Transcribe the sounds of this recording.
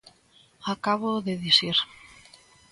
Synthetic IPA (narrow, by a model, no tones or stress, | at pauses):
akaβoðeðisiɾ